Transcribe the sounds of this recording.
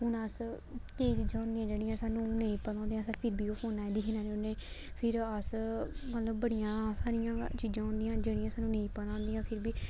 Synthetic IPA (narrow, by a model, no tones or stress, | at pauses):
ɦʊnəs | kiːiːt͡ʃiːd͡ʒãːʊ̃ːnd̪iːãːd͡ʒeːɽijãːsaːnːũːnẽĩːpəlãːnd̪eːjãːsapʰɪɾbiːoːpoːnaːɛd̪iːɦinãːneoneː | pʰɪɾəsmət̪ləbːəɽijãːsaːɾɪjãːt͡ʃiːd͡ʒãːɦʊ̃nd̪ijãːd͡ʒeːɽijãːsaːnːũːnẽĩːpəlãːnd̪iːãːpʰɪɾbiː